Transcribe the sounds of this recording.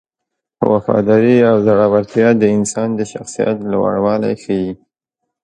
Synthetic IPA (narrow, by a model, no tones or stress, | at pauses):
wafɑ̰d̪ɑɾiawzaɽɑwaɾt̪jɑd̪əɪnsɑnd̪əʃaxsija̰t̪lawa̰ɽwɑla̰jxəji